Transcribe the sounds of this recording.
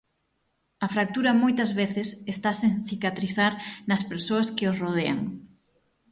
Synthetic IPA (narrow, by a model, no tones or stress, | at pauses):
ɐfɾak̚t̪uɾɐmojt̪ɐzβeθɪsest̪asẽŋθikat̪ɾiθaɾnɐspeɾsoɐskɪosroð̞ea̰ŋ